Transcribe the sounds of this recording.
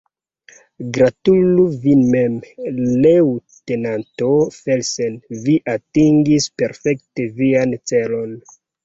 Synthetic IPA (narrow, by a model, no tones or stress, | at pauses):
ɡɾatuluvinmemlewtenantofelsenviʔatiŋɡispeɾfekte̞viant͡selo̞n